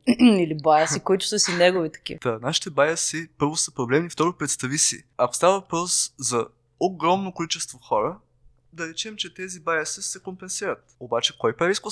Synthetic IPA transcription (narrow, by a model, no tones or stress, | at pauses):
ilibajəsikoit̪ʊ̥səsinɛɡovit̪ɐ̥kʲḭd̪̥anaʃi̥t̪ɛbajəsipɤɾvʊsəpɾoblɛmnift̪ɔɾʊpɾɛt̪st̪ɐvisḭɐko̥st̪avɐvɐpɾɔszɐ | oɡɾɔmnokolit͡ʃɛst̪voxɔɾə | d̪ɐɾɛt͡ʃɛmt͡ʃɛt̪ɛzibajəsəsɛkompɛnsiɾət̪obat͡ʃɛ̥kɔjpɾɛɾisko